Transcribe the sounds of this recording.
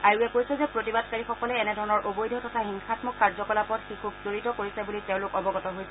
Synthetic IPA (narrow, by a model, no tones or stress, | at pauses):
aɹuɛkojsɛzɛpɹotibadkaɹixɔkɔlɛːnɛdʱɔɹɔnɔɹʔobojdʱɔtʰɔtʰaɦiŋxatmɔkːaɹzɔkɔlapɔtxikʰubzoɹitɔkoɹisɛbuliteʊ̃lʊkɔbɔɡɔtɔɦojsɛ